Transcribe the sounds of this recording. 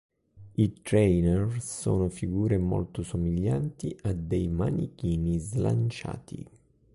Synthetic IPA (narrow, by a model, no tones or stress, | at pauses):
it̪ɾɛjnɛrso̰ːnʊfiɡuːɾemɔ̰lt̪ʊsomiʎːant̪iʔad̪ejmanikiːnizla̰nt͡ʃa̰ːt̪ʰḭ